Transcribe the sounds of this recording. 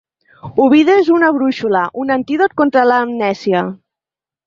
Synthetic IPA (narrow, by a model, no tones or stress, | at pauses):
uβiðezunaβɾuʃulaʔunant̪iðot̪̚kont̪ɾalaːmnɛsia